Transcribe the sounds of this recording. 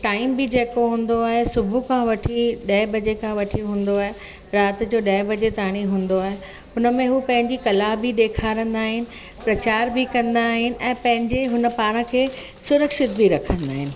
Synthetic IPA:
ʈaːɪmbɪd͡ʑeːkoɦũːn̆d̪oaːɦesʊbʱukʰãʋɐʈʰiɗɐɪbʱɐd͡ʑekʰãʋɐʈʰiɦũːnd̪oaːɦe | ɾaːt̪d͡ʑoːɗɐɪbʱɐd͡ʑet̪aːɽ̃iɦũːn̆d̪oaːɦe | ɦʊnəmẽɦupɐ̃ɦɪ̃ɲd͡ʑikɐlabʱiɗ̪eːkʰaːɾə̃nd̪aːɦɪnɪ̆ | pɾɐt͡ɕaːɾbɪkɐ̃nd̪aːɦɪnɪ̆ʔɛ̃ːpɐ̃ɦɪ̃ɲd͡ʑeɦʊnə̆paːɽ̃ə̆kʰeː | sʊɾəkʃɪt̪̚bʱiɾɐkʰə̃nd̪aːɦɪnɪ̆

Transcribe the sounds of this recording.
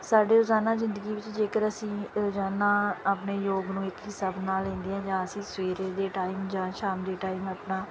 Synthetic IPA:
saːɖeːɾʊzaːnaːzɪ̃nd̪əɡiːʋɪt͡ʃd͡ʒeːkəɾəsĩːɾoːzaːnaːəpneːjoːɡnũːɪkɦɪsəbnaːlɛ̃ːnd̪iːɦɛ̃ːd͡ʒãːəsĩːsweːɾeːd̪eːʈaːimd͡ʒãːʃaːmd̪eːʈaːiːməːpnaː

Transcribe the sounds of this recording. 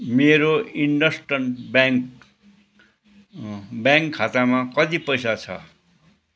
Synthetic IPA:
meɾoiɳɖʌsʈʌnbaŋk | bjãŋkʰːat̪amãkʌd̪ipʌjsat͡sʰʌ̰

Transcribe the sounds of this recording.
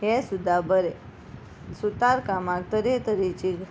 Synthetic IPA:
ɦesud̪ʱabəɾe | sut̪aɾkamak̚t̪əɾet̪əɾit͡ɕi

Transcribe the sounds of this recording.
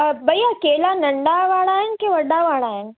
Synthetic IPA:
bɐiɐkeːlanɐ̃ɳɖaʋaːɭaːɦɪnkeʋɐɗaʋaːɭaːɦɪnɪ̆

